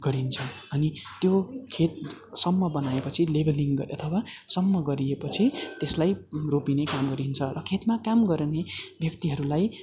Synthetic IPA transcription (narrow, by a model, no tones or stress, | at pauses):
ɡ̥ʌɾint͡sʰʌ | ʌnit̪jokʰet̪̚ | sʌmːʌbʌnaepʌt͡sʰilebʌliŋɡʌʌt̪ʰʌwasʌmːʌɡʌɾiepʌt͡sʰit̪eslajropinekamɡʌɾint͡sʰʌrʌkʰet̪makamɡʌɾnebjʌkt̪iɦʌɾulaj